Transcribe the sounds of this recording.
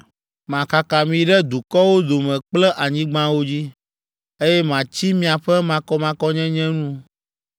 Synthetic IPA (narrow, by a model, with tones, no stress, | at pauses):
mã˨ka˨ka˨mĩ˨ɖɛ˦d̪u˨kɔ˦wo˦d̪o˨mɛ̃˨k͡plɛ˦ʔa˨ɲĩ˦ɡ͡bã˦wo˦d͡ʑi˦ | e˦jɛ˦mã˨t͡ɕi˦mĩ˦a˨ɸɛ˦mã˨kɔ˦mã˨kɔ˦ɲɛ̃˦ɲɛ̃˦nũ˦